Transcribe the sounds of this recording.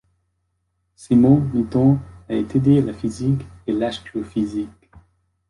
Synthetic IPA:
simɔ̃nit̪ɔ̃aet̪ed̪ealafizikelaʃkyofizik

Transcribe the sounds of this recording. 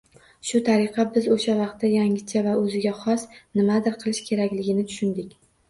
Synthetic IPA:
ʃʊt̪ʰaɾɪqʰɑbɪzoʃavɑq̚t̪ːajaŋɪt͡ʃʰavaɵzɪɡʲaχɒsnɪmad̪ɪɾqʰɨlˠɪʃkʲʰe̞ɾakʲlɪɡʲɪnɪt̪ʰʊ̥ʃʊnd̪ɪkʲ

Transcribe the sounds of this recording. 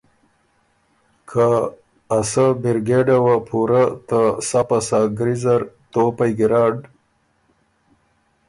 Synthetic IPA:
kʰaː | sabiɾɡeɖawapʰuɾat̪asapasaɡɾizaɾt̪opajɡiɾaːɖ

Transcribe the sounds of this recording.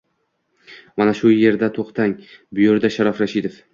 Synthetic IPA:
manaʃʊje̞ɾd̪at̪ʰoqt̪ʰaŋbʊjoɾd̪aʃaɾɒfɾaʃid̪e̞f

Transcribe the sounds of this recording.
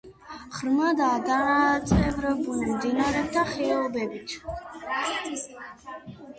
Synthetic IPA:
χɾmad̪aad̪at̪sʼɛvɾɛbulˠmd̪inaɾɛp̚t̪ʰaχɛɔbɛbit̪ʰ

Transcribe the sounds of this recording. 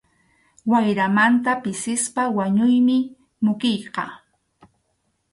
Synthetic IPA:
wajɾamant̪apɪsɪspawaɲʊjmɪ | mʊkɪjqɑ̰

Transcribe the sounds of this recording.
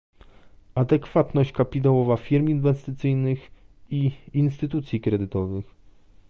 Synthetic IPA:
ad̪ɛkfat̪nɔɕt͡ɕkapʲit̪̬awɔvafʲiɾminvɛst̪ɘt̪sɘjnɘxiːnst̪ɘt̪ut̪sʲjikɾɛd̪ɘt̪ɔvɘx

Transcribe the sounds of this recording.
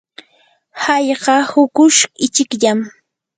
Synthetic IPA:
hajɢɑhʊkʊʃɪt͡ʃɪkʎam

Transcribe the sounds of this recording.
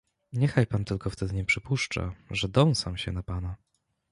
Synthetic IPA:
ɲɛxajpant̪ɘlkɔft̪ɛd̪ɘɲɛpʂɘpuʂt͡ʂa̰ʐɛd̪ɔw̃samɕɛ̰napana

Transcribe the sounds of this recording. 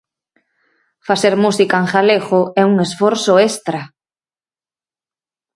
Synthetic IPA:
faseɾmusikaeŋxaleɣʊɛuŋesfɔɾsʊest̪ɾa

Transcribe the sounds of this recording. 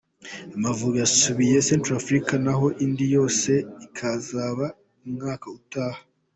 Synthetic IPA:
amavuɾujasuβije̞seːntɾafɾikanaɦo̞ʔiːndijo̞ːse̞ikʰazaːβa | umŋaːkautaːha

